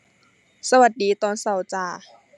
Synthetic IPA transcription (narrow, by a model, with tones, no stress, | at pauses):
sa˧wa˨˩t̪̚diː˨˦t̪ɔː˨˩nsa˧˩wt͡ɕaː˧˩